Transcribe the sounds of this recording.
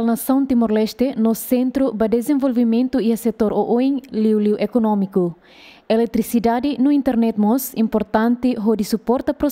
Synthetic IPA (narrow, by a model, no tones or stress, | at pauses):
lnɐsɐ̃w̪̃t̪imoɾlɛʃt̪enosẽnt̪ɾubɐd̪ezẽvolvimẽnt̪uiɐset̪oɾoʔoẽŋliwliwʔekonõmiku | elek̚t̪ɾisid̪ad̪inuĩnt̪eɾnɛt̪mosĩmpoɾt̪ãnt̪iɦod̪isupɔɾt̪ɐpɾo